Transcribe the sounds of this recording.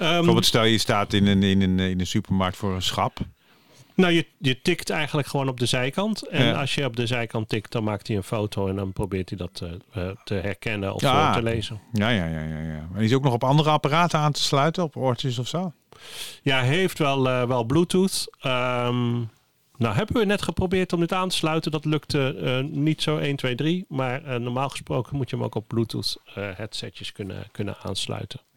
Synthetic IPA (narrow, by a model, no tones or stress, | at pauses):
əobɪlˠtstɛlˠjəstaːtɪnənɪnənɪnənsypəɹmɑɹk̚tfʊːɹənsχɑp | nowjəjətɪktɛjɣənləkχəʋoːnɔb̚dəzɛjkɑntɛnɑ̰sjəɔb̚dəzɛjkɑntɪkt̚dɔnmaːk̚tiənfoːtʰoɛndɔnprobɪːɹtədɔttʰəɦɛrkɛnənɔ̰ftəlejzənjajaja̰ja̰ja̰ɛnɪs̬owknɔχɔpɑndərəɑpəraːtəaːntə̥slœɥtənɔpɔɹtəs̬ɔfsow | jaɦejftʋɛlˠəʋɛlˠblutuθəm | nawɦɛbəʋənɛtχəprobɪːɹtɔmdɪtaːntə̥slœɥtəndɑtlɵktənitsowʔejntʋejdrimaːɹənɔɹmaːlˠχə̥sprowkəmutjəəmo̰wkɔb̚blutṵtəhɛtsɛ̰tjəskɵnə̰kɵnə̰na̰ːnslœ̰ɥtən